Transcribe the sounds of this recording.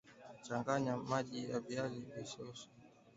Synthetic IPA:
t͡ʃaŋɡaɲamaʄijaviazivisɔsɔ̥

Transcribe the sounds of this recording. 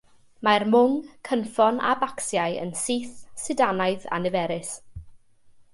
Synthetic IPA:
marmʊŋkʰənfɔna̰baksjajə̰nsiːθsɪdanajða̰nɨvɛɾɪs

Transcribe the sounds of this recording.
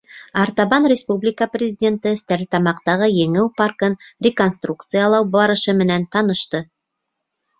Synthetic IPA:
ɑɾt̪ɑβɑnrʲɪspublʲɪkəprʲɪzʲɪdʲe̞nt̪əst̪æɾt̪ɑmɑqt̪ɑʁɤjɘ̆ŋɘwpɑrkɤnrʲɪko̞nst̪rukt̪sɨjɑlˠɑwbɑɾɤ̆ʃɤmɘ̆nænt̪ɑnɤ̆ʃt̪ɤ

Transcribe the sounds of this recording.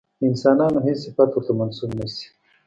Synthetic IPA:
ɪnsɑːnɑːnoɦesɪfat̪wʊɾt̪amansubnəsi̥

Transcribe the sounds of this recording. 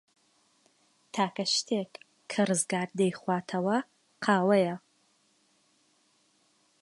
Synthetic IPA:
tʰaːkʰɐʃt̪ʰek | kʰːɐrɨzɡaːɾd̪ɐjχwaːtʰɐwɐ | qʰaːwɐjɐ

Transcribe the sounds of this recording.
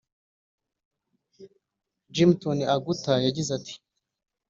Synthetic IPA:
d͡ʒimtoniaɡutajaɟizatʰi̥

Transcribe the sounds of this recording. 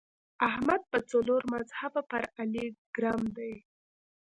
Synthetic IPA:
ahmad̪̚pət͡saloɾmazhabapaɾaliɡ̥ɾɑmd̪aj

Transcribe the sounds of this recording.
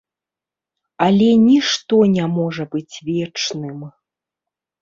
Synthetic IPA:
ɐlʲɛnʲiʂt̪ɔnʲamɔʐɐbɨt͡sʲvʲɛt͡ʂnɨm

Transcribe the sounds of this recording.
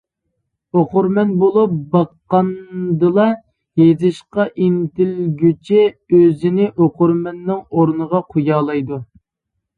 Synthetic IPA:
oqʊɾmɛnbolˠup̚bɑqːɑnd̪ɨlˠɑ | jezɨʃqɑʔint̪ɪlɡʲyt͡ʃʰɛøzɪnɪʔoqʊɾmɛnːɪŋoɾnəʁɑqʰujɑːlˠɑjd̪u

